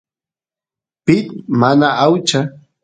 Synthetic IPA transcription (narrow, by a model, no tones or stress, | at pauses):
pɪt̪̚manaawt͡ʃa